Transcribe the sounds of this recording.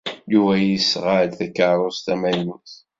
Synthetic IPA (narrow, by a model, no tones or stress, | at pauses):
juvæjisʁad̪θækaɾˤost̪æmæjnuθ